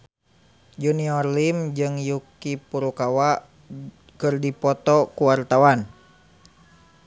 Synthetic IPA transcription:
d͡ʒuniɔrlimd͡ʒɨŋjukipuɾukawa | kɨrdipɔt̪ɔkuwart̪awan

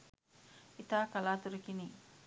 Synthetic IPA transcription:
ʔit̪akalat̪uɾikini

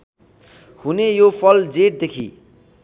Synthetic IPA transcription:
hunejopʰʌld͡zeʈ̚d̪ekʰḭ

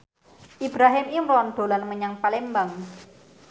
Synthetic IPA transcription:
ʔib̥ɾaɦɪmiŋrɔnd̪̥o̤lanməɲaŋpalembaŋ

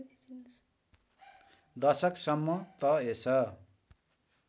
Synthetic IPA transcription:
d̪ʌsʌksʌmːʌt̪ʌesʌ

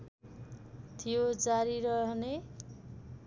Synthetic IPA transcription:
t̪ʰijod͡zaɾiɾʌɦne

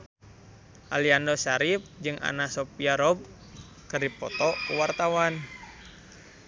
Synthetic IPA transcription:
ʔaliandosaɾip̚d͡ʒɨŋʔa̰nasopiaɾɔb̚ | kɨrdipɔ̰t̪ɔkuwart̪awan

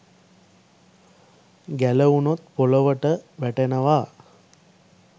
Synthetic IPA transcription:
ɡæləunot̪̚poləʋəʈəʋæʈenəʋaː

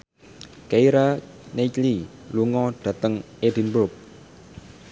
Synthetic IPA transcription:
kaiɾa | net͡ʃliluŋɔɖ̥a̤t̪əŋ | edi̤nbʊp̚

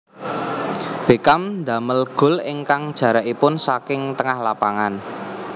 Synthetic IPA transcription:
b̥e̤kamnd̪a̤məlɡ̥ʊ̤lɪŋkaŋd̥ʒ̥ä̤ɾaʔipʊnsakɪŋt̪əŋahlapaŋan

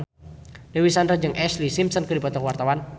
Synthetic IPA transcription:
dewisandɾad͡ʒɨŋʔɛslisimsənkədipɔt̪ɔkwart̪awan

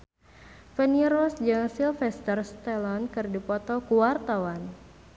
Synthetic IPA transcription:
fəniɾɔsd͡ʒaŋsilfɛst̪ərst̪ɛlɔnkɨrdipɔt̪ɔkuwart̪awan

